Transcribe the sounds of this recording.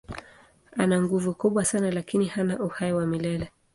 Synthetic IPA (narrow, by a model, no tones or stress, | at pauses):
anaŋɡuvukuɓwasanalakinihanaʔuhaiwamilɛlɛ